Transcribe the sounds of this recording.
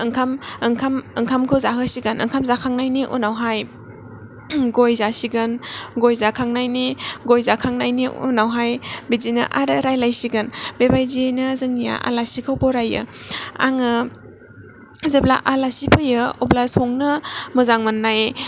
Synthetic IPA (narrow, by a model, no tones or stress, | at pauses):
ɯŋkʰamɯŋkʰamɯŋkʰamkʰɯwzaɦɯsiɡanɯ̰ŋkʰamzakʰaŋnajniʔṵnawɦaj | ɡojzasiɡanɡojzakʰaŋnajniɡojzakʰaŋnajniṵnawɦajbid͡ʒinɯ̰ʔaɾɯɾajlajsiɡanbebajzinɯzɯŋija̰ʔa̰lasikʰɯwbɔɾajɯ̰a̰ŋɯ | zebla̰ʔalasipʰɯjɯɔblasɔŋnɯmɯzaŋmanːaj